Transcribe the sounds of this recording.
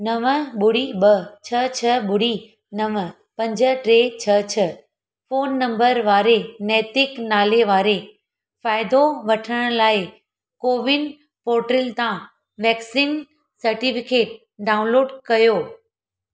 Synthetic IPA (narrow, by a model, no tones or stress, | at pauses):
nɐʋəɓʊɽiɓɐt͡ɕʰɐt͡ɕʰɐɓʊɽi | nɐʋə | pɐ̃ɲd͡ʑə̆ʈɾeːt͡ɕʰɐt͡ɕʰə | foːnːɐ̃mbəɾʋaːɾenɛːt̪ɪknaːleʋaːɾe | faːɪd̪oʋɐʈʰəɽ̃laːɪ | koːʋɪn | poːɾʈɾɪlt̪ã | ʋɛːksiːn | sɐɾʈifɪkeːʈ̚ | ɖaːʊ̃nloːɖkɐjoː